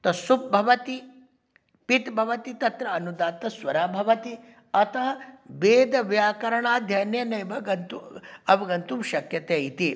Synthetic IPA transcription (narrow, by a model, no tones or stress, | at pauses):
t̪ɐsup̚bʱɐʋɐt̪i | pit̪bʱɐʋɐt̪it̪ɐt̪ɾɐːnud̪aːt̪ɐsʋɐɾaːbʱɐʋɐt̪i | ɐt̪ɐɦɐbeːd̪ɐʋjaːkɐɾɐɳaːd̪ʱjɐːnjɐnɐjbɐɡɐnt̪uɐʋɐɡɐnt̪umʃɐkjɐt̪eːit̪i